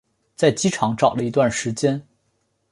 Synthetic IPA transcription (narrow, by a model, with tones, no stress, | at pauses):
t͡sa˥˩ɪt͡ɕi˥ʈ͡ʂʰɑ˧˥ŋʈ͡ʂɑ˨˩ʊlə˦i˧˥t̪wa˥˩nʂɻ̩˧˥t͡ɕjɛ˥n